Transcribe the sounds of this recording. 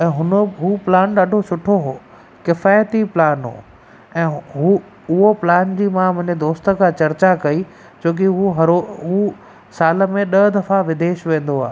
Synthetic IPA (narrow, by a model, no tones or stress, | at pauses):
ɛ̃ːɦʊnəɦuːplaːnɗaːɖʱosʊʈʰoɦoː | kɪfaːjt̪iplaːnɦo̰ː | ɛ̃ːɦu | ʊɦoplaːnd͡ʑiːmãmʊ̃ɦɪ̃ɲd͡ʑed̪oːst̪ə̆kʰãːt͡ɕɐɾt͡ɕakɐi | t͡ɕoːk̬iɦuɦɐɾoɦu | saːlə̆mẽɗɐɦd̪ɐfaʋɪd̪eːʃʋẽːn̆d̪oa̰ːɦ